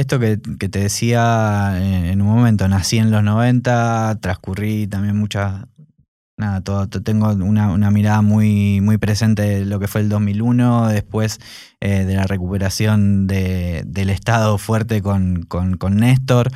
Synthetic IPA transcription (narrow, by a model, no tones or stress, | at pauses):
est̪o̞k̬eke̞t̪e̞ðesiaeenunmõ̞mẽ̞nt̪o̞nasie̞nlo̞zno̞β̞e̞nt̪at̪ɾaskurit̪ambje̞nmut͡ʃa | naðat̪oðot̪ot̪e̞ŋɡo̞unaṵnamiɾaðamujmujpɾe̞se̞nt̪e̞lo̞ke̞fweːld̪o̞zmiluno̞ðe̞hpwe̞s | ʔeðe̞lare̞kupe̞ɾasjo̞nd̪ed̪e̞le̞st̪aðo̞fweɾt̪e̞ko̞nkonko̞nːest̪o̞ɾ